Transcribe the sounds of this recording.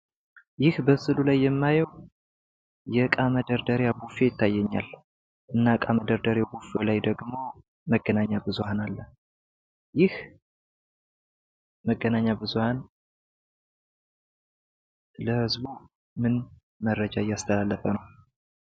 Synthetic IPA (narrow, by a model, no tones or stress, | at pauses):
jɪhbəsɨlulajːɛmːajəw | jɛkʼaməd̪əɾd̪əɾjabufejɪt̪ːajːɛɲːa̰l | ʔɨnːakʼaməd̪əɾd̪əɾjabufelajd̪əɡmo̞ | məɡːənaɲːabɨzuhanalːə | jɪh | məɡːənaɲːabɨzuhan | ləhɨzbu | mɨn | mərəd͡ʒaɪjːast̪ʰəlalːəfənəw